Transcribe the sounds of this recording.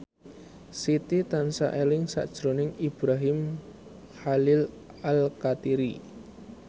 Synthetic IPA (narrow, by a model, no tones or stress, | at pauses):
sit̪it̪ansa̰ʔelɪŋsa̰ʔd̥ʒ̥ɾonɪŋib̥ɾaɦɪm | xalɪl | alkat̪iɾi